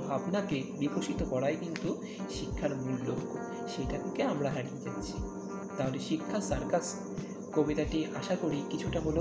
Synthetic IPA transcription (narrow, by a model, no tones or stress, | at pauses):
apnakebipoʃit̪okɔɾajkint̪u | ʃikʰːaɾmulːokːo | ʃejʈat̪ʰekeamɾaɦaɾied͡ʑatːɕʰi̥ | t̪aɦoleʃikʰːasaɾkad͡ʑ | kobit̪aʈiaʃakoɾikit͡ɕʰuʈaɦolo